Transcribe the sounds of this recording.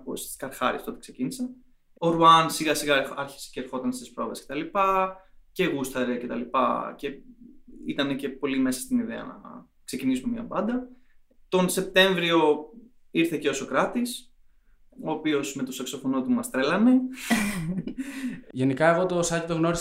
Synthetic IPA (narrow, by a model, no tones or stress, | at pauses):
post̪i̥skɐɾxɐ̰ɾḭst̪o̞t̪ekse̞cinisɐ | oɾuɐnsiɣɐsiɣɐɐɾçi̥se̥ceːɾxo̞t̪ɐnst̪ispɾo̞veskce̞t̪ɐlipɐce̞ɣust̪ɐɾece̞t̪ɐlipɐ̰ce̞ | ḭt̪ɐne̞ce̞po̞lime̞sɐ̥st̪iniðeɐ̰nɐ̰ | kse̞cinisumemɲɐ̰pɐnd̪ɐ | t̪o̞nse̞p̚t̪e̞ɱvɾio̞ | iɾθe̞ceoso̞kɾɐt̪is | oːpio̞sme̞t̪o̞sɐkso̞fo̞no̞t̪umɐst̪ɾe̞lɐne̞ | ʝenikɐeɣo̞t̪osɐcit̪oɣno̞ɾi